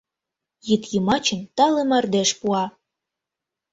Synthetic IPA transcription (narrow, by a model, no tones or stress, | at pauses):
jit̪jəmɑt͡ɕə̆nt̪ɑlemɑrd̪eʃpuɑ